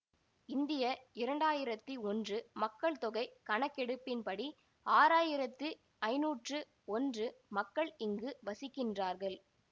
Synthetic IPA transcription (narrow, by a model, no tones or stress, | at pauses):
ɪnd̪ɪjɐɪɾɐɳɖaːjɪɾɐt̪ːɯɔndrɯmɐkːɐɭt̪ɔɣɐɪkɐɳɐkːɛɽɯpːɪnpɐɽi | aːɾaːjɪɾɐt̪ːɯ | ɐɪnuːʈrɯ | ɔndrɯmɐkːɐɭɪŋɡɯʋɐsɪkːɪndraːɾɣɐɭ